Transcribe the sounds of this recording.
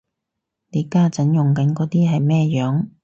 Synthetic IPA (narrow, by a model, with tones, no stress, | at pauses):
ne˨˧jkaː˥t͡sɐ˨˥njʊ˨ŋkɐ˨˥nkɔː˨˧˥t̪iː˥ɦɐ˨jmɛː˥jœː˨˥ŋ